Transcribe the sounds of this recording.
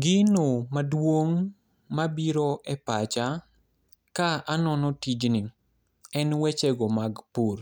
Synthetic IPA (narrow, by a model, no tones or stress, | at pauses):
ɡɪnomadwoŋ | mabiɾɔʔɛpat͡ʃa | kaanɔnɔtid͡ʒni | ɛnwɛt͡ʃɛɡɔmaɡpur